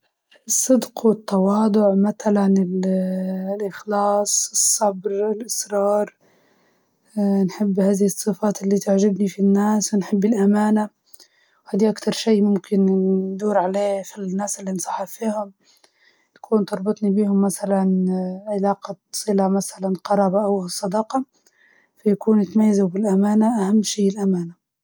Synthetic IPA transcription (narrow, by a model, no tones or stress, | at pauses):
ɨsˤːɨd̪qwɪt̪ːɑwɑːd̪ˤʊʕmaθalanɪl | lʔɪxlɑːsˤɨsˤːɑbɾɪlʔɪsɾɑːɾˤ | nħɪbːhaːðɪhɨsˤːɨfaːt̪ɪlːit̪aʕʒɪbnifinːaːswɪnħɪbːɪlʔamaːna | whaːd̪iʔakt̪ɑɾˤʃiːmʊmkɪnd̪uːɾʕaleːfinːaːsɪlːinsˤɑ̥ħːɑfiːhʊm | t̪ḁkʰuːnt̪ɑɾˤbɨt̪ˤnibiːhʊmːasalanʕɪlaːqasˤɨlamasalanqɑɾˤɑːbaʔawsˤːɑd̪ɑːqɑ | fajakuːnːɪt̪majːazubɪlʔamaːnaʔahamːʃiːɪlʔamaːna